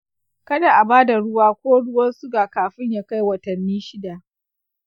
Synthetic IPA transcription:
kɐ˦da˨ʔa˨baː˦da˨ɽʊ˦waː˦kʷoː˦ɽʊ˦wɐ˦nsʊ˦ɡaː˨kaː˨ɸɪ˦ɲjaː˨ka˦jwɐ˨tɐ˨nːiː˦ʃɪ˦da˨ʔ

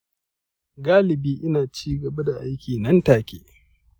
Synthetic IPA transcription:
ɡaː˦lɪ˨biː˦ʔɪ˦naː˨t͡ʃiː˦ɡɐ˨bɐ˦da˨ʔa˦jkʲiː˨nɐ˦ntaː˨kʲḛː˦

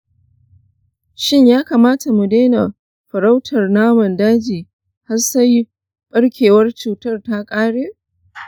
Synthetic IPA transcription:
ʃɪ˦ɲjaː˦kaː˨maː˦ta˨mu˨deː˦na˨ | ɸɐ˨ɽa˦wtʰɐ˨rnaː˦mɐ˨ndaː˦d͡ʒiː˨ | ha˦sɐ˦j | ɓʼɐ˦ɽkʲʰeː˨wɐ˦rt͡ʃuː˨tɐ˦˨rta˦kʼaː˦ɽeː˦

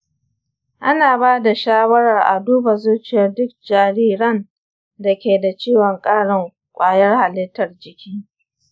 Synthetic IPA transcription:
ʔa˦naː˨baː˦da˨ʃaː˦wɐ˦ɽɐ˨rʔa̰˨duː˦ba˨zuː˦t͡ʃɪ˨jɐ˦rdʊ˦k̚d͡ʒaː˨ɽiː˦ɾɐ˦n | da˨kʲeː˨da˨t͡ʃiː˦wɔ˨ŋkʼaː˦ɽɪ˨ŋ | kʷʼaː˦jɐ˦rha˨lɪ˦tːɐ˨rd͡ʒɪ˨kʲiː˦

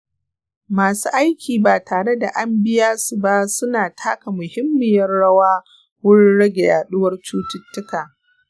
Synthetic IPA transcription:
maː˨sṵː˦ʔa˦jkʲiː˨baː˨taː˨ɽe˦da˨ʔa˦mbɪ˦jaː˦su˨ba˦sʊ˦naː˨tʰa̰ː˦ka˨mʊ˨hɪ˦mːɪ˨jɐ˦rɽɐ˦waː˦ | wʊ˦ɽɪ˦ɽɐ˦ɡʲe˨jaː˨ɗʊ˦wɐ˦rt͡ʃuː˦tʊ˦tːʊ˦kaː˨

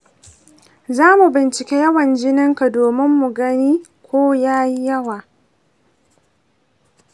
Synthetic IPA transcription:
zaː˦mu˨bɪ˨nt͡ʃɪ˨kʲeː˦jɐ˦wɐ˨nd͡ʒɪ˦nɪ˦ŋka˨doː˨mɪ˦mːu˨ɡɐ˦niː˦kʷoː˦jaː˦ji˦jɐ˦waː˨

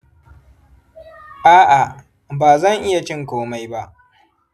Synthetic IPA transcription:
ʔaː˦ʔa˨ | baː˨zɐ˦˨ŋʔɪ˦ja˨t͡ʃɪ˦ŋkʷoː˦ma˦jba˦ʔ

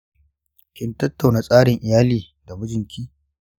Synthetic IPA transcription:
kʲɪ˦ntɐ˦tːa˨wna˨sʼaː˦ɽɪ˨ŋʔɪ˨jaː˦liː˨ | da˨bʊ˦d͡ʒɪ˨ŋkʲʰiː˦

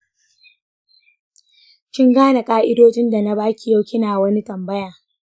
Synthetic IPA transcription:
kʲɪ˦ŋɡaː˦na˨kʼaː˦ʔɪ˦doː˦d͡ʒɪ˦nda˨na˦baː˦kʲi˨jɐ˦wkʲɪ˦naː˨wɐ˦ni˦tɐ˨mbɐ˦jaː˨

